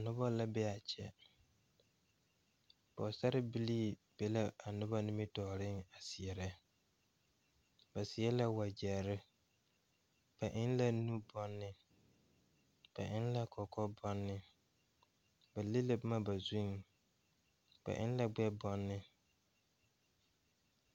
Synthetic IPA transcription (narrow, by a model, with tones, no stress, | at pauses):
a˨nʊ˦bɔ˦la˦bɛ˦a˨t͡ʃʰɛ̰˨ | b̥ɔ̰˨sa˦ɾɪ˦bi˦liː˦˨b̥ɛ˦la˦a˨nʊ˦bɔ˦nɪ˦mi˦tɔː˨ɾɪ˦ŋa˨sɪ˨ɛ˨ɾɛ˦ | ba˨sɪ˨ɛ˦la˦wa˨d͡ʒɛ˨ɾɪ˦ | b̥a˨ʔɪ˦nla˦nu˦bɔ˦nːɪ˦ | b̥a̰˨ʔɪ˦n˦la˦kʰɔ˨kɔ˦bɔ˦nːɪ˦ | ba˨lɪ˦lɪ˦bma˦ba˨zu˦ŋ | b̥a̰˨ʔɪ˦nla˦ɡ͡bɛ˦bɔ˦nːɪ˦